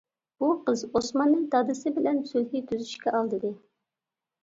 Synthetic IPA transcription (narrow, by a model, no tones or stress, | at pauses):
b̥uqʰəzosmɑnːɨŋd̪ɑd̪ɨsɨbɪlɛnsølɦit̪ʰyzyʃkʲɛʔɑlˠd̪ɨd̪ɨ